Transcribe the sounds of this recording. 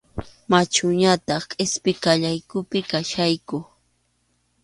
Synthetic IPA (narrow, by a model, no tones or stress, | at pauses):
mat͡ʃʊɲat̪ɑχkʼɪspɪkaʎajkʊpɪkaʃajkʊ